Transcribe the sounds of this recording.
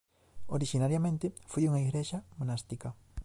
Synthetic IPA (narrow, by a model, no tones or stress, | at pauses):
oɾiʃinaɾjamẽnt̪efujuŋaiɣɾeʃamõnast̪ika